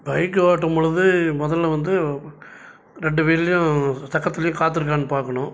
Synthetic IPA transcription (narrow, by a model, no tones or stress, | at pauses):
bɐjɪk̬ːɯʋaːʈːɐmɔɻɯðɯmɔðɐllɐʋɐnd̪ɯ | ɾɛɳɖɯʋeːɾɪlɐjʊ̃sɐkːɐt̪ːɪlɐjʊ̃kaːt̪̬ːɯɾɯkːaːnːɯpaːɾkɐɳʊ̃